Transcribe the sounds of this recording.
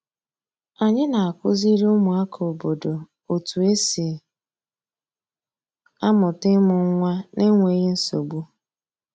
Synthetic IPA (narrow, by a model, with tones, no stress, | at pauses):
a˨ɲɪ˦na˨a˨kʊ˦zi˦ɾe˦ʊ˦mʊ˨a˦kʰo˨bo˨do˨ | o˨tu˨e˦si˨ | a˦mʊ˨tɪ˦mʊ˨ŋ˦ŋʷa˦ne˦ŋʷe˨˦ɣe˦n̩˦so˨ɡ͡bu˦